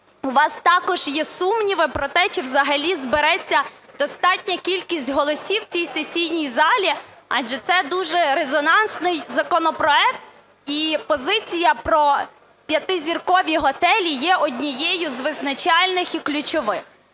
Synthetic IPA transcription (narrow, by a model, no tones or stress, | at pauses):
ʊʋɑst̪ɑkɔʒ̥jɛsumnʲiʋɪpɾɔt̪ɛt͡ʃɔwzɐɦɐlʲizbeɾɛt͡sʲːɐd̪̥ɔst̪ɑtʲnʲɐkʲilʲkʲisʲtʲɦɔlˠɔsʲiwt͡sʲijsesʲijnʲijzɑlʲi | ɑ̰d͡ʒɛt̪sɛd̪uʒɛɾezɔnɑnsnɪjzɐkɔnɔpɾɔɛk̚t̪̚ | ipɔzɪt͡sʲijɐpɾɔ | pʲjɐt̪ɪzʲirkɔʋʲiɦɔt̪ɛlʲijɛʔɔdʲnʲijɛjʊzʋɪznɐt͡ʃɑlʲnɪxiklʲʊt͡ʃɔʋɪx